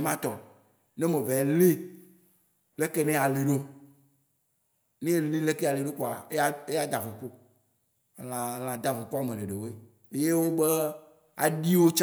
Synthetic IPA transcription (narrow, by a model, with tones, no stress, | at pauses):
mã˦t̪ɔ˨ | ne˦me˨ve˨le˦ | le˦ke˦nẽ˦a˨le˨ɖo˦ | nẽ˦e˨li˦le˦ke˦a˨le˨ɖo˦ko˨a˨e˦e˦ja˦d̪a˨vo˨ko˦˨ | lã˨l̃ã˨d̪a˨vo˨ko˦a˨mẽ˨ɖe˨ɖe˨wo˦e˦˨˦ | je˦wo˦ɡ͡be˦ | a̰˨ɖi˦wo˦t͡ʃ